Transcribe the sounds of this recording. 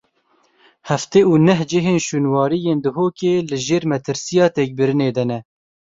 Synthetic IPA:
hɛft̪eːuːnɛɦd͡ʒɪɦeːnʃuːnwɑːɾijeːnd̪ʊɦoːkeːlɨʒeːɾmɛt̪ʰɨɾsijɑːt̪eːk̚bɨɾɨneːd̪ɛnɛ

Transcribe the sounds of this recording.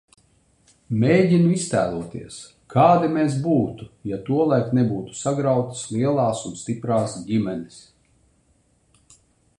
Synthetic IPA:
meːɟʲinuist̪æ̰ːlˠuɔt̪iɛs | kʰaːd̪imeːs̬buːt̪ujat̪uɔlˠajknebuːt̪u̥saɡɾawt̪i̥slˠiɛlˠaːsunst̪ipɾaːsɟimʲɛnis

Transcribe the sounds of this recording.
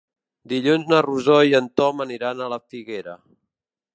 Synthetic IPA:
d̪iʎunznəruzɔiənt̪ɔməniɾanələfiɣeɾə

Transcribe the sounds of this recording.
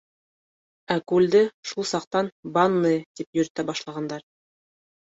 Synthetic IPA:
ækʉld̪ɘʃulˠsɑq̚t̪ɑnbɑnːɤt̪ipjɵ̆ɾt̪æbɑʃlˠɑʁɑnd̪ɑɾ

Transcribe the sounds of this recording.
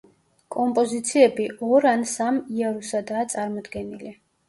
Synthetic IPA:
kʼɔmpʼɔzit̪sʰiɛbiʔɔɾansamiaɾusad̪aːt̪sʼaɾmɔd̪ɡɛnili

